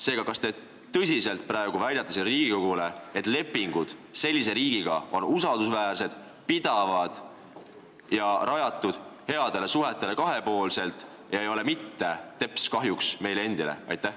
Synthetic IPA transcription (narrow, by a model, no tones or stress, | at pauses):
se̞ːɡ̥ɑkɑst̪e̞ | t̪ɤs̬ʲise̞lt̪̚ˑpɾɑe̞ɡ̥uvæjd̪ɑt̪ːɑsilɾiːɡ̥ikoɡule̞et̪ːˑle̞pːˑiŋɡ̥ud̪̥se̞lʲːis̬e̞ɾiːɡiɡ̥ɑo̞̰nusɑld̪usvæːrse̞d̪̥ | pid̪̥ɑvɑd̪̥ | jɑɾʔɑjɑt̪ːˑud̪̥he̞ɑd̪̥e̞le̞suɦe̞t̪ːˑe̞le̞kɑɦe̞po̞ːlse̞lt̪ːˑ | ɑejo̞le̞mit̪ːe̞t̪e̞pskɑɦjuksme̞jlee̞nd̪̥ile̞̰ɑ̰jt̪ːˑæh